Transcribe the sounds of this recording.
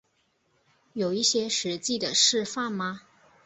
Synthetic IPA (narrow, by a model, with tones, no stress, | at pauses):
jo˨˩ʊi˥˩ɕjɛ˥ʂɻ̩˧˥t͡ɕi˥˩d̪ə˩ʂɻ̩˥˧fa˥˩nma˧